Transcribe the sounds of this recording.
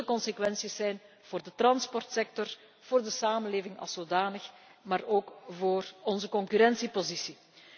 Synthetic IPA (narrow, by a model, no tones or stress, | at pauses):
əkɔnsekʋɛnsisːɛjn | v̥oːrdət̪rɑnspɔrtsɛk̚tɔr | v̥oːrdəsaːmənleːvɪŋɑ̰lˠsoːdaːnəx | maːroːkvoːrɔnzəkɔŋkyɾɛnsipozisi